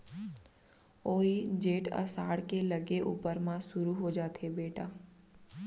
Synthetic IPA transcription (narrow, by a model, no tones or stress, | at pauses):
oːid͡ʒeːʈə̰saːɽkeləɡeʔṵːpəɾmãsʊɾuɦod͡ʒaːt̪ʰebeːʈaː